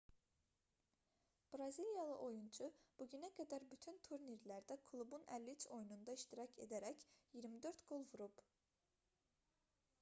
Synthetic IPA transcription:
b̥ɾɑzilʲˠjɑlˠɯʔo̞junt͡ʃʰub̥uɟynæɡæd̪æɾbyt̪ʰynt̪ʰuɾniɾlæɾd̪ækʰlˠubunælʲːit͡ʃʰo̞junund̪ɑiʃt̪iɾɑcʰe̞̰d̪æɾæcjiɾmid̪øɾt̪ɡo̞lˠvuɾub̥

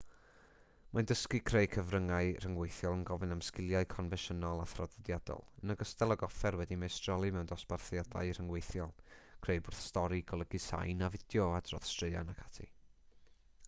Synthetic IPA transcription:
mandəskikʰreɨkʰəvrəŋaɨr̥əŋwejθjɔlˠənɡɔvɨnamskɪlˠjaɨkʰɔnvɛʃənɔlˠaθrɔdɛdjadɔ̰lˠənəɡəstɛlˠɔɡɔfɛrwɛdimɛstrɔlˠimɛwndɔsb̥arθjada̰ɨr̥əŋwejθjɔlˠkʰr̥eɨbʊrθstɔɾiɡʰɔlˠəɡɨsa̰jnavɪd̥jɔad̥rɔ̰θstrɨɨa̰nakʰḁtʰḭ

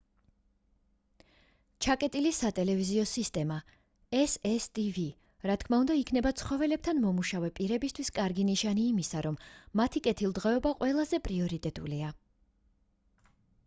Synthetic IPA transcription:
t͡ʃʰakʼɛt̪ʼilisat̪ʼɛlɛviziɔsist̪ʼɛma | ɛsɛst̪ʼivi | ɾat̪kʰmaund̪aikʰnɛbat̪sʰχɔvɛlɛb̚t̪ʰanmɔmuʃavɛpʼiɾɛbist̪ʰwiskʼaɾɡiniʃaniːmisaɾɔmːat̪ʰikʼɛt̪ʰilˠd̪ʁɛɔbaqʼwʔɛlˠazɛpʼɾiɔɾit̪ʼɛt̪ʼṵlia

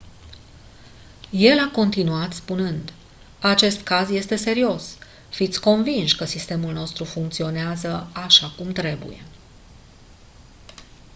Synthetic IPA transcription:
je̞lako̞nt̪inuat̪spunɨnd̪ | at͡ʃe̞st̪kazje̞st̪e̞se̞ɾio̞s | fit̪sʲko̞nvinʃkəsist̪e̞mulno̞st̪ɾufuŋk̚t̪sio̞neazəaʃakumt̪ɾe̞bṵje̞̰

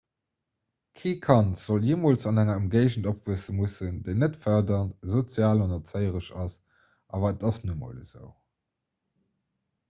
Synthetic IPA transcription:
kʰeːkʰɑntz̥oljeːmoːlt͡sɑnæŋɐəmɡeɪʒən̩dopv̥uəsəmusəndeɪnətfœɐdɐntzot͡sjaːlɑnɐt͡səɪəʁəʃɑs | ʔɑːvɐətɑsnumo̰ləz̥ə̰ʊ

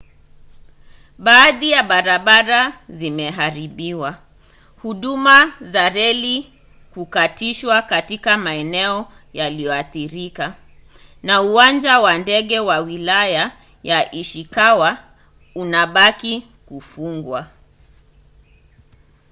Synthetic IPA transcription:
ɓaːðijaɓaɾaɓaɾazimɛɦaɾiɓiwa | huɗumazaɾɛli | kukatiʃwakatikamaɛnɛɔ | jalijɔaθiɾika | nauwand͡ʒawandɛɠɛwawilaja | jaʔiʃikawa | unaɓaki | kufuŋɡwa

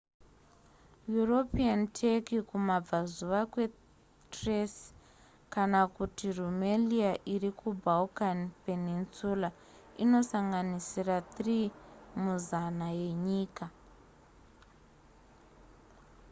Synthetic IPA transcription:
juro̞piantʰekikumab͡vazuʋakwe̞ | tres | kanakutirumeliaʔirikʰubʱaukanpe̞ninsula | ino̞saŋɡanisirat̪rimuzanaje̞ɲiːka

